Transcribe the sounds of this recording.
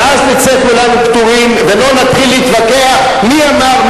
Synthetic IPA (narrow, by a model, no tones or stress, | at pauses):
aznit͡sekulanupt̪uʁimvelo̞nat̪χilːiit̪vake̞aχ | miamaʁn